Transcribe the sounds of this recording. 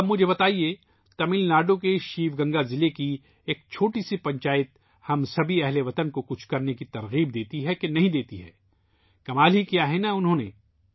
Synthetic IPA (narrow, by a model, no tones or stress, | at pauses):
ɐbmʊd͡ʒʱebɐt̪aːie | t̪ɐmɪlnaːɾɖõkeʃiːʋɡɐ̃ŋɡazɪleki | eːk̚t͡ʃʰoːʈisipɐ̃ɲt͡ʃaːɪt̪̚ | hɐmsɐbʱiɛɦleʋɐt̪ənkokʊt͡ʃʰkɐɾnekit̪ɐɾɣiːb̚d̪eːt̪iɦɛkenɐɦĩd̪eːt̪iɦɛ̰ː | kɐmaːlɦikijaɦɛnaʊnɦõːne